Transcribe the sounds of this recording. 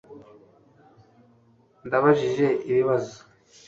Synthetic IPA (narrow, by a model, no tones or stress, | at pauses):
ndaβaʒiʒe̞ʔiβiβazo